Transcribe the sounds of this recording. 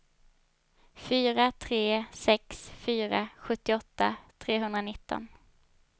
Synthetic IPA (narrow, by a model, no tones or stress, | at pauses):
fyːɾat̪ʰɾeːsɛksfyːɾaɧɵt̪ːɪɔt̪ːat̪ʰɾeːɦɵnd̪ɾanɪt̪ːɔ̰n